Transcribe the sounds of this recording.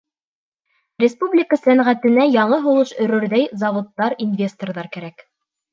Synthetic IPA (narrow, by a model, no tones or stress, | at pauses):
rʲɪspublʲɪkəsænʁæt̪ɘ̆næjɑɴɤɦŭlˠɤʃɵ̆ɾɵ̆ɾðæjzɑvŏt̪ːɑɾinvʲe̞st̪orðɑɾkæɾæk